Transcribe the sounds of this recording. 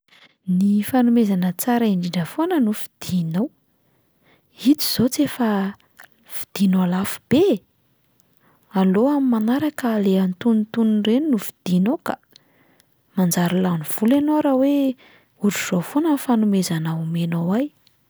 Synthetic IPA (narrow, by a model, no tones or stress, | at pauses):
nifanumezanət͡saɾaiɳɖ͡ʐinɖ͡ʐəfoanənufid̪̥inow | it̪i̥z̥ot͡sefa | v̥i̥d̪̥inoalafu̥b̥e | aloamimanaɾakəleant̪unt̪unrennuvid̪̥inoka | mand͡zaɾulanuv̥ulenoaɾawe | uɾuz̥ofonəfanumezanaumenowaj